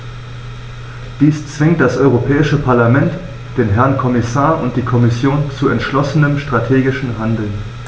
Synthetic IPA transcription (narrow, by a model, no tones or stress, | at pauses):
d̥iːst͡sv̥ɪŋtd̥asʔɔʏʁ̞opʰɛːɪʃəpʰaɐlamɛnt | d̥eːnɦɛɐnkʰɔmɪsaːɐʔʊnt̚d̥iːkʰɔmɪsjoːnt͡suɛntʃlɔsənəmʃtʁ̥atʰeːɡɪʃn̩ɦandl̩n